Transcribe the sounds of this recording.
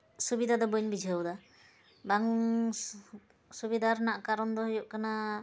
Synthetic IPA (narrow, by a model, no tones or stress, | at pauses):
subid̪ʱad̪ɔbuɲbid͡ʒʱəwd̪a | baŋ | subid̪ʱaɾnaʔkaɾɔnd̪ɔɦɔjuʔkana